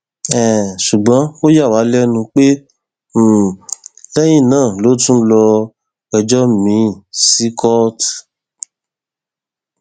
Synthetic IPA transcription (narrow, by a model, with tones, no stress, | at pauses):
ɛ˨ʃu˨ɡ͡bɔ̃˨˦o˦ja˦˨wa˨˦lɛ˦nũ˧k͡pẽ˦˨ | lɛ˦jĩ˦˨nãː˦˨lo˨˦tũ˦lɔ˧ | ɛ˧d͡ʒɔ˦mĩ˨˦˨si˨˦kʰɔ˦t